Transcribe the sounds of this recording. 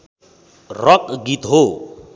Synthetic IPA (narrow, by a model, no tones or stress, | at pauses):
rʌkɡit̪ɦo